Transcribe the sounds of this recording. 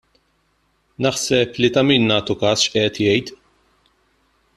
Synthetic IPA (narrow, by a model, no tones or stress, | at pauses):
nɐħsɛplit̪ɐmiːnːɐːt̪ukɐːsʃʔɛːt̪jɛjt̪